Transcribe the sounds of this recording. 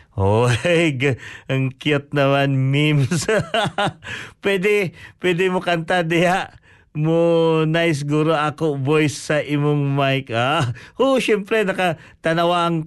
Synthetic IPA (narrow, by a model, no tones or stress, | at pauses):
ʔoɡɐŋkjot̪̚nɐmanmims | pwɛd̪ɛpwɛd̪ɪmokɐnt̪ad̪ɐjaʔ | monajs̬ɡuːɾoʔakobojsːɐʔɪmoŋmajkaoʃɛmpɾɛnɐka | t̪ɐnɐwaɐŋ